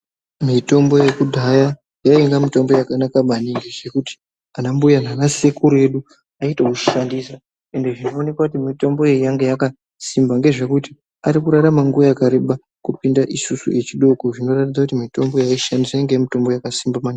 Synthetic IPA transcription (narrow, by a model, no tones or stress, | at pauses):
mito̞mbo̞je̞kudʱaja | jaiŋɡamito̞mbo̞jakanakamaniŋɡeʐe̞kuti̥ | anambujananasekuɾe̞ɗu | aitakuʃandisa | e̞nde̞ʐino̞ːne̞kwakutimito̞mbo̞jejaŋɡejaka | simbaŋɡe̞ʐe̞kuti̥ | aɾikuɾaɾamaŋɡuʋajakaɾeɓa | kupindaʔisusṵʔe̞t͡ʃiɗo̞ko̞ʐino̞ratidd͡zakutimito̞mbojaiʃandisajeŋɡeamito̞mbo̞jakasimbamani